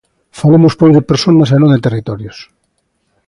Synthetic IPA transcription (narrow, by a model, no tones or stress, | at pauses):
falemʊspojzðepeɾsonɐsenõnd̪et̪erit̪ɔɾjos